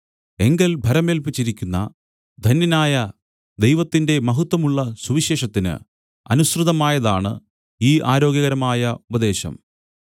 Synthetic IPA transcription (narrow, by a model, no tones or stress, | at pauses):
e̞ŋɡɐlbʱɐɾɐme̞ːlpit͡ɕːiɾikʲːunːɐ̰ | d̪ʱɐnjɐnaːjɐ | d̪e̞jʋɐt̪ːinde̞mɐɦut̪ːwɐmuɭːɐsuʋiɕe̞ːʂɐt̪ːinɨ̰ | ɐ̰nusrɨðɐmaːjɐðaːɳɨ̰ | iːʔaːɾo̞ːɡjɐɣɐɾɐmaːjɐubɐd̪e̞ːɕɐ̰m